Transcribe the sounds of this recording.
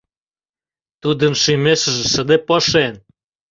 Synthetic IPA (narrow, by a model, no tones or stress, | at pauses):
t̪ud̪ə̆nʃimeʃə̆ʒĕʃə̆d̪epɤʃen